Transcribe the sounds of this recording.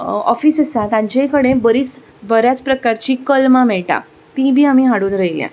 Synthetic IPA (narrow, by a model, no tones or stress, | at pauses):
ɔfiːsəsat̪ãɲt͡ɕekəɽ̃ẽbəɾiːt͡s | bəɾjat͡spɾəkaɾt͡ɕiːkəlmamɛɭʈa̰ | t̪ĩbʱiːamiːɦãɽuːnɾəɦilja̰